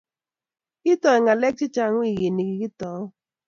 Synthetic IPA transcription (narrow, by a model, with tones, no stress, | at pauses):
ki˦tɔ˨ɪ˨ŋa˨lɛ˦k̚t͡ʃi˦t͡ʃa˦ŋ˦i˦˨ɣe˨ni˨ki˨ki˦tɔ˨˦